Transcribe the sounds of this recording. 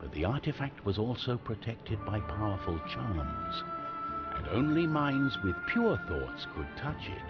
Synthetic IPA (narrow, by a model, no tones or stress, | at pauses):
b̥ʌt̪̚ðiɑɹɾɨfæk̚t̚wʌzɔlˠsoʊpʰɹ̥ɨtʰɛk̚tʰɨd̚baɪpʰaʊə˞fl̩ˠt͡ʃʰɑɹmz̥ | ʔɨ̰̃nõ̰ʊ̃nlimãɪ̃ndzwɨð̥pʰj̥ʊɹθɔtskʰɨd̚tʰʌt͡ʃɪ̰t̚